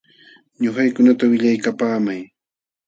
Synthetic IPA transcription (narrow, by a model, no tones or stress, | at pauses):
ɲoχɑjkʊnat̪awɪʎajkapaːmaj